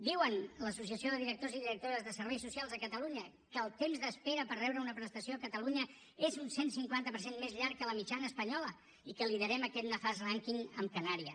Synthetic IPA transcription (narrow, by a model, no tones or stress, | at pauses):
d̪iwənləsusiəsioðəðiɾək̚t̪oziðiɾək̚t̪oɾəzðəsəɾβ̞ɛjsusialˠzðəkət̪əluɲə | kəːlˠt̪emzðəspeɾəpəɾrɛwɾəunəpɾəst̪əsioəkət̪əluɲə | ezunsensiŋkwant̪əpəɾsenmezʎaɾkːələmit͡ʃanəːspəɲɔlə | ikəliðəɾɛməkɛt̪nəfazraŋkiŋəmkənaɾiə